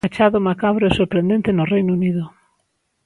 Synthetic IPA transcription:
at͡ʃaðʊmakaβɾoesoɾpɾend̪ẽnt̪ɪnʊrejnuniðʊ

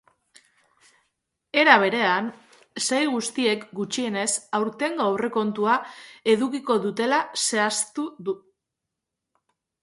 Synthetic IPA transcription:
e̞ɾaβ̞e̞ɾe̞an | sejlɣust̪ie̞kɡut͡ʃie̞ne̞sawɾt̪e̞ŋɡawre̞ko̞nt̪uae̞ðukiko̞ðut̪e̞lase̞ast̪uðu

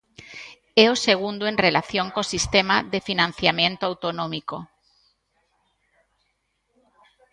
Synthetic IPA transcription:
ɛoseɣ̞und̪oẽnrelaθjoŋkosist̪emaðefinãn̟θjamjẽnt̪oawt̪onõmiko

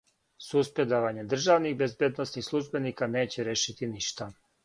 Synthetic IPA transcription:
suspɾed̪aʋaɲe̞d̪r̩ʒaʋnixbezbjed̪nosnixslˠuʒbe̞niːkane̞ːt͡ɕeɾeʃit̪iniʃt̪a

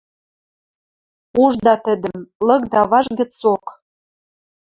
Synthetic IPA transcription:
uʒd̪ɑt̪ə̆d̪ə̆mlɤ̆kd̪ɑβɑʒɡə̆t͡sok

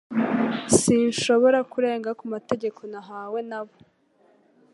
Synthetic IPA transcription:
sinʃo̞βo̞ɾakuɾe̞ːŋɡakumate̞ɟe̞kʰo̞naɦaːwe̞naβo

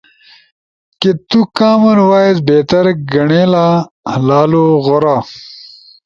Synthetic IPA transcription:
ket̪ukaːmɐnwaːezbeːt̪ɐɾɡɐɳeːlaː | hlaːloɣoɾaː

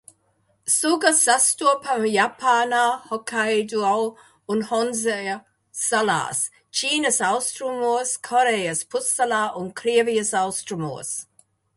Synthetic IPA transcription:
suɡəsastupʰamjapʰaːnahɔkʰajduaw | ʊnhɔnze | sala̰s | t͡ʃʰiːnəsawstɾumoskʰɔɾejəspʰʊsalaʔʊnkʰɾiːviəsawstɾəmo̰ːs

